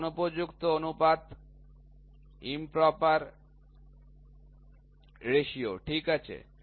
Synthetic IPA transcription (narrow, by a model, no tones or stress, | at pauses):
nupod͡ʑukt̪oonupad̪ | impɾɔpaɾ | ɾeʃioʈʰikat͡ɕʰḛ